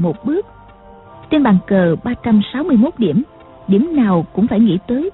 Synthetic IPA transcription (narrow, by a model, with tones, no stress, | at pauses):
mo˨˩t̚ɓɨ˦˥ək̚ | t͡ɕe˧nɓaː˨˩ŋkəː˨˩ɓaː˧t͡ɕa˧msa˨˦wmɨ˧əjmo˦˥t̚ɗi˧˩əm | ɗi˧˩əmnaː˨˩wkʊ̰˧˥ŋ͡mfaː˧˩jŋḭ˧˥t̪əː˨˦j